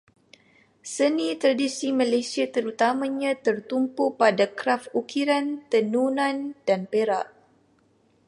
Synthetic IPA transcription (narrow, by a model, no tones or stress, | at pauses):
sənĩt̪ɾadisimãlesiat̪əɾut̪amãɲãt̪ərt̪umpupadakɾafukiɾant̪ənunãndanpeɾa̰ʔ